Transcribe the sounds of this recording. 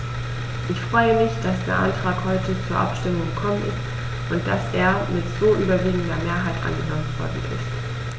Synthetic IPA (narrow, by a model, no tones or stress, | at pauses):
ʔɪçfʁ̥ɔʏəmɪçd̥asd̥eːɐʔa̰ntʁ̥aːkhɔʏtət͡suːɐʔa̰pʃtɪmʊŋɡəkʰɔmənɪ̰st | ʔʊnt̚d̥a̰sʔeːɐmɪtz̥oːʔyːbɐviːɡŋ̩dɐmeːɐɦaɪtʔa̰nɡənɔmənv̥ɔ̰ɐdn̩ʔɪ̰st